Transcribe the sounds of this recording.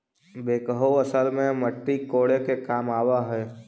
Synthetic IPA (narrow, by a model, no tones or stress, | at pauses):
beːkəɦoəsəlmẽməʈːikoːɽekekaːmaːʋaɦɛː